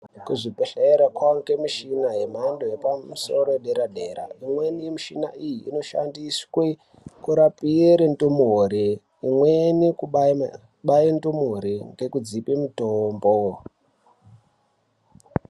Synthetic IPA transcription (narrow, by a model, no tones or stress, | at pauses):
kuʐipeɬeɾakwaŋkemiʃinaɦem̤andojepamuso̞ɾoɗeɾadʱe̞ːɾa̰imwe̞nijemiʃina̰ijḭːno̞ʃa̰ndiswe | kuɾapieɾentumoɾe | imweniku | ɓaintumoɾiŋɡe̞kud͡zipimutombo